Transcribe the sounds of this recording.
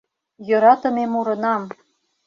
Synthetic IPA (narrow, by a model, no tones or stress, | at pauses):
jɤ̆ɾɑt̪ɤ̆memuɾɤ̆nɑm